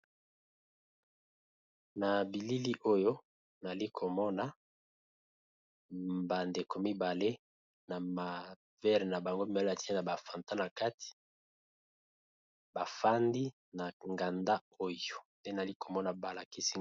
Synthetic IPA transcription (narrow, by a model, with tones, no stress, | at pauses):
na˨bi˨li˦li˦ʔo˦jo˦ | na˨li˦kʰo˨mɔ˦na˨ | ba˨nde˨ko˨mi˦ba˨le˦ | na˨ma˨ | vɛ˦ʁna˨ba˨ŋɡo˦mi˦ba˨la˨ti˦e˦na˨ba˨fa˨nta˦na˨ka˦ti̥˨ | ba˨fa˦ndi˦ | na˨ŋɡa˨nda˦o˦jo˨nde˦n˨a˨li˦kʰo˨mɔ˦na˨ba˨la˨ki˦si˦